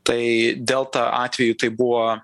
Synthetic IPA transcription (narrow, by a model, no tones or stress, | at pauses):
t̪ɐɪd̪ʲeːlˠt̪ɐʔɑ̰ːt̪ʲʋʲɛjut̪ɐɪbuʋoː